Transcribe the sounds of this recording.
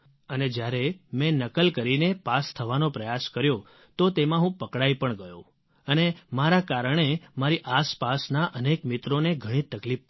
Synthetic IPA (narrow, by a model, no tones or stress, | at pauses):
əned͡ʒjaɾemɛ̃nəkəlkəɾinepast̪ʰəʋanopɾəjaskəɾjo | t̪ot̪emãɦũpəkɽaipəɳɡəjõ̰ | ənemaɾakaɾəɳ̃emaɾiʔaspasnaʔənekmɪt̪ɾoneɡʱəɽ̃ĩt̪əkli